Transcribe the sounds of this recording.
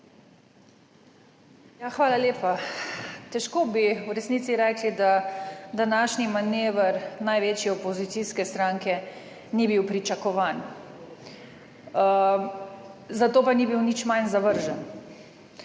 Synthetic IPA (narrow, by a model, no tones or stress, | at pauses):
jaxʋaːlaleːpa | t̪ɛʃkoːbiwɾɛsnisiɾɛklid̪ad̪anaʃnimaneːʋəɾnajʋeːt͡ʃjɛɔpɔzit̪siskɛst̪ɾaŋkɛ | nibiwpɾit͡ʃakɔʋaːn | zat̪oːpanibiwnit͡ʃmajnzaʋəɾʒən